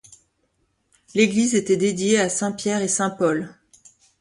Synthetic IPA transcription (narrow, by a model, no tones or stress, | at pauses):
leɡlizet̪ɛd̪ed̪jeasɛ̃pjɛʁesɛ̃pɔl